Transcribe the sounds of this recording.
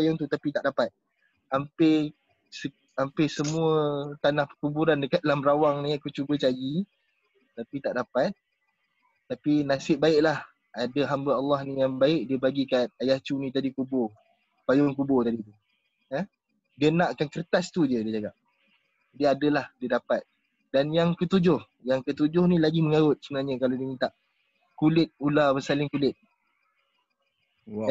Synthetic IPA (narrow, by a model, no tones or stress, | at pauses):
ajɔŋt̪ut̪apit̪aʔdapat̪̚ | ampɪ | sə | ampɪsəmũət̪anahpəkubuɾandəkat̪̚alamɾawaŋnĩakut͡ʃubət͡ʃaji | t̪apit̪aʔdapat̪̚ː | apinasɪʔ̚baɪʔlah | adəɦambəɑlːɑhnijaŋbaɪʔ̚diəbaɡikan̚ajaht͡ʃunĩt̪adikubʊ | pajʊŋkubʊt̪adit̪̬u | əh | diənãʔkankərt̪ast̪udiədiəd͡ʒaɡaʔ̚ | d͡ʒadiadəlahdiədapat̪̚ | danjaŋkət̪ud͡ʒʊh | jaŋkət̪ud͡ʒʊhnĩlaɡiməŋaɣʊt̪̚səbənahɲəkalodiəmint̪aʔ | kulɪt̪̚ulabəsalɪŋkulɪt̪̚ | w